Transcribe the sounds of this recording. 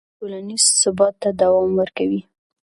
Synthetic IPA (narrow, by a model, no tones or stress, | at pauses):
ʈolanizsʊbɑt̪ːad̪awɑmwəɾkawi